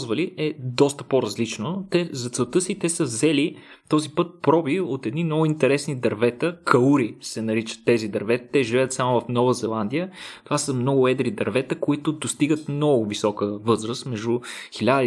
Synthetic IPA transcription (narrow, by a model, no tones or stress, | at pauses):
zvəliɛd̪ɔst̪ə̥poɾɐzlit͡ʃnot̪ɛzɐt̪sɛlˠt̪ɤsit̪ɛsəvzɛli | t̪ɔzipɤt̪̚pɾɔbiot̪ɛd̪nimnɔɡʊint̪ɛɾɛsnid̪ɐɾvɛt̪əkɐuɾisɛnɐɾit͡ʃə̥t̪ːɛzid̪ɐɾvɛt̪t̪ɛʒivɛət̪samovɐfnɔvəzɛlˠand̪ijət̪ovasəmnɔɡʊɛd̪ɾid̪ɐɾvɛt̪əkoit̪ʊd̪ost̪iɡət̪mnɔɡʊvisɔkəvɤzɾəst̪mɛʒd̪uxilʲad̪ə